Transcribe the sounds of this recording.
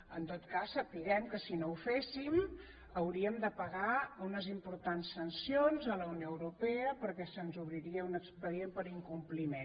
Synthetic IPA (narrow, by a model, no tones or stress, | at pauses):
ənt̪ot̪kasːəpiɣɛmkəsinoufesim | əwɾiəmd̪əpəɣaunəzimpuɾt̪ansːənsionzələunjoəwɾupɛəpəɾkɛsənzuβɾiɾiəunəkspəðiempəɾiŋkumplimen